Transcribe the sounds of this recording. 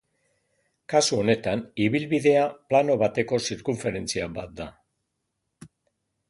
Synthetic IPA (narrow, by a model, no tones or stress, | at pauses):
kasuo̞ne̞t̪aniβ̞ilβiðe̞aplano̞βat̪e̞ko̞siɾkuɱfe̞ɾe̞nt͡siabat̪̚d̪a